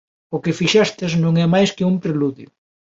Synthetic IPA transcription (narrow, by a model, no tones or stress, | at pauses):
ʊkɪfiʃɛst̪ɪznõŋɛmajskɪumpɾeluðjʊ